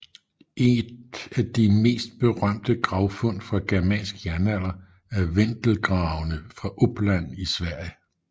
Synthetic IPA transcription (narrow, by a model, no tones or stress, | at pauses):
ʔe̝d̥æd̥ime̝̰ːsd̥̚b̥e̝ʁɶm̰d̥əɡ̥ʁɑ̈ʊfɔ̽n̰d̥fʁɑ̈ɡ̥æɐmɛ̰ːnsɡ̥jæɐnæl̰ɐ | æɐʋend̥l̩ɡ̥ʁɑ̈ʊnəfʁɑ̈ʔob̥læn̰isʋæɐ̰jə